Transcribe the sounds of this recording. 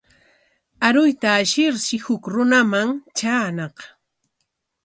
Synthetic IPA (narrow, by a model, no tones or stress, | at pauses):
aɾʊjt̪aːʃɪɾʃɪhʊkɾʊnamaŋt͡ʃaːnɑq